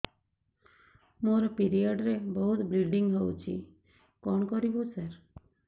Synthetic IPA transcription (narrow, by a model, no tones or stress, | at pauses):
moɾɔpiɾijəɖɾebɔɦut̪bɾiɖiŋɡɦɔwt͡ʃʰḭ | kɔɳkɔɾibũsəɾ